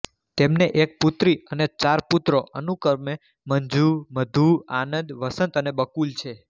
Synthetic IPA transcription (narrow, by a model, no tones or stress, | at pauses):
t̪emneʔek̚put̪ɾiənet͡ʃaɾput̪ɾoʔənukəɾme | məɲd͡ʒuɾməd̪ʱuɾanənd̪ʋəsənt̪ənebəkult͡ʃʰe